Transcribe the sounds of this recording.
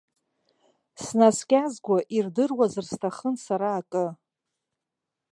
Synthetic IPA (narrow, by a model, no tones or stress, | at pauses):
snaskʲʼazɡʷaʔirdɨrwazɨrstʰaχənsaɾaːkʼɨ